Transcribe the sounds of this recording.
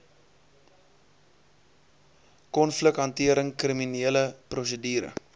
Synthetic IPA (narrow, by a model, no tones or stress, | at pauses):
kɔnfləkɦɐntiəɾəŋkriminiələprusədiːɾə̰